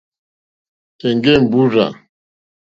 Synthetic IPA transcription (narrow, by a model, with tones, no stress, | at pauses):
tɛ˨ŋɡɛ˦m˨bu˦ɾa̰˨